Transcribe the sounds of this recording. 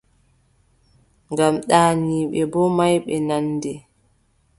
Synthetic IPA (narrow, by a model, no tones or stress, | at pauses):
ŋɡamɗaːniːɓɛbɔmajɓɛnandɛ